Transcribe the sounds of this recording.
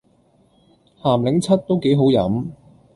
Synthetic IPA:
haː˨˩mlɪ˨˥ŋt͡sʰɐ˥t̚t̪o˥wke˨˥jɦo˨˥wjɐ̰˨˥m

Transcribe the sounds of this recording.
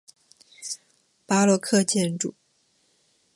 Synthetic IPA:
pa˥lwɔ˥˧kʰɤ˥˧t͡ɕjɛ˥˧nʈ͡ʂṵ˨˩˦

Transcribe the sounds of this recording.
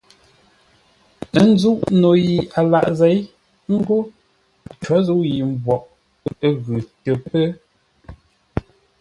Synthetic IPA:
ə˦n̩˦zu˦ʔno˨ji˨a˨la˨ʔze˨˦j | ŋ̩˦ɡo˦ | t͡ʃa˨˦zu˦ji˨m˨bwɔ˨ʔ | ɣʉ˨tə˨pə˦

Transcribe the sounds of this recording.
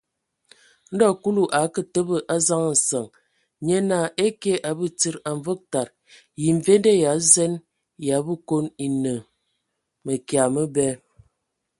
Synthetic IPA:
n̩˦dɔ˦˨ku˦lu˨ʔa˨˦kə˦˨tə˦bə˦˨ʔa˦za˦ŋ˨n̩˨sə˨ŋ | ɲe˦na˦˨ʔe˦ke˦ʔa˨bə˦ti˦ɾa˨ɱ˨və˦k̚ta˨ɾ | ji˨ɱ̩˨ve˦nde˦ja˨˦zɛ˦n | ja˨˦bə˦ko˦ni˨nə˨ | mə˨kja˨mə˦bɛ˦

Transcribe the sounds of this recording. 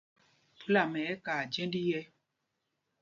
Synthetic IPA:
pu˦la˨mɛ˨˦ka˨d͡ʒɛ̃˦ndi˦jɛ˦

